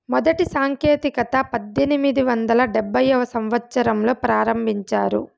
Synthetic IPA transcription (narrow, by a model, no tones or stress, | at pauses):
mɔd̪ɐʈisaːŋkeːt̪ikɐt̪ɐpɐd̪ːenimid̪iʋɐnd̪ɐlɐɖɛbːɐjɐʋɐsɐmʋɐt̪ːsɐɾɐmlo̞ːpɾaːɾɐmbʱiɲt͡ʃaːɾṵ